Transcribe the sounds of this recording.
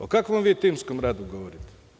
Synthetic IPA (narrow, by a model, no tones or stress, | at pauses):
okakʋomʋiːt̪iːmskomɾaːd̪uɡoʋoɾit̪e̥